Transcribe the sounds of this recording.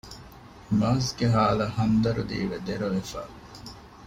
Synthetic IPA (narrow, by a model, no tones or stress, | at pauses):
mɐːsɡeɦaːlɐhɐnd̪ɐɾud̪ḭːʋed̪eɾɐʋefa̰ː